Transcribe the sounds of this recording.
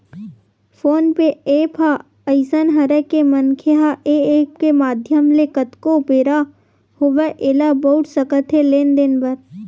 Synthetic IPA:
fʰoːnpeeːpʰa | əɪsənɦəɾekemənkʰeɦaʔeeːpkemaːd̪ʱjəmlekət̪kopeːɾa | hoʋeʔelabəʊt̪ʰsəkət̪ʰɦeleːnd̪ɪnbəɾ

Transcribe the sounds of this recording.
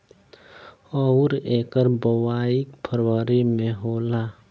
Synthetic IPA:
ɔɾeːkəɾbəwaːikpʰəɾwəɾimẽɦoːlaː

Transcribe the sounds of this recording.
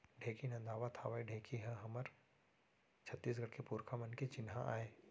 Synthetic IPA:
ɖʱeːkinɐ̃nd̪ʱaːʋat̪ʰaːʋaiɖʱeːkʰiɦɛ̃ɦɐməɾ | t͡ʃʰɐt̪ːiːs̬ɡɐɽkepuːɾkʰamɐnket͡ʃɪnɦãʔa̰ːeː

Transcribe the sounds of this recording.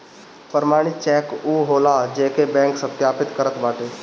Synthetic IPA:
pəɾmaːɽ̃ɪt̪t͡ʃɛːkuːɦoːlad͡ʒeːkebɛ̃ːŋksə̃t̪ʰjaːpɪt̪kəɾət̪baːʈeː

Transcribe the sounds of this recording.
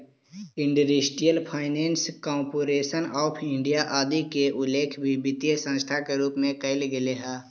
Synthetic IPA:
ɪ̃ɳɖuɾisʈijəlpʰaːɪneːnskɔːmpoːɾeːʃənɔːpʰɪ̃ɳɖijaʔaːd̪ikeʔʊleːkʰbʱibɪt̪jesə̃st̪ʰakeɾuːpmẽkəɪlɡɪleɦɛː

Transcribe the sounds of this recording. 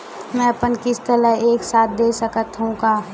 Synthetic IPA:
mɛ̃ːɐpənkɪst̪əɾəeːksaːt̪̚ʰd̪eːsəkət̪ɦũkaː

